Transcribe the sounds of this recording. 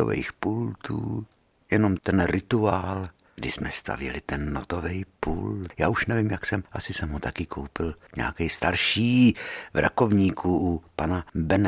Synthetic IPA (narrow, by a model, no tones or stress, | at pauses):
o̰vɛ̰jxpult̪uː | jɛno̞mt̪ɛnɾɪt̪uaːl | ɡdɪsmɛst̪ʰa̰vjɛ̰lɪt̪ɛnːot̪o̞vɛjpuːljaːuʃnɛviːmjaksɛmʔasɪsɛmɦot̪akɪkʰowpɪlɲɛ̰ːkɛjst̪aɾʃiːvɾʔa̰ko̞vɲiːkʰuʔupanabɛn